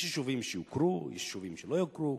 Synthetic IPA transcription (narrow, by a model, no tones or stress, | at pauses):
ʃiʃuvimʃiukɾuḭʃʃuvimʃilojokɾu